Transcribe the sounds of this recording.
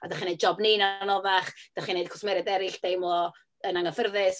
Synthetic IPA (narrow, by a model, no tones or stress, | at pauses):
adaχinejd̚d͡ʒɔbninanɔvaχd̥aχinejd̥̚kʰɔ̥smɛɾɛdɛɾɪɬd̥ejmlˠɔ | ənaŋəfərðɪs